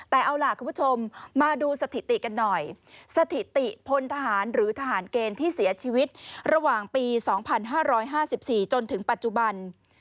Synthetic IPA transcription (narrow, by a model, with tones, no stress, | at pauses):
t̪ɛː˨˩ʔa˧wlaː˨˩kʰuː˧pʰu˥˩t͡ɕʰo˧mːaː˧duː˧sa˧t̪ʰi˨˩t̪i˨˩ka˧nːɔ˨˩j | sa˧t̪ʰi˨˩t̪i˨˩pʰo˧nt̪ʰa˧ɦaː˩˦nɾɯː˩˦t̪ʰa˧ɦaː˩˦nkeː˧nt̪ʰiː˥˩si˩˦ɐt͡ɕʰiː˧wi˦˥t̪̚ɾa˧waː˨˩ŋpiː˧sɔː˩˦ŋpʰa˧nɦaː˥˩ɾɔː˦˥jɦaː˥˩si˨˩p̚siː˨˩t͡ɕo˧nt̪ʰɯ˩˦ŋpa˨˩t̪̚t͡ɕu˨˩ba˧n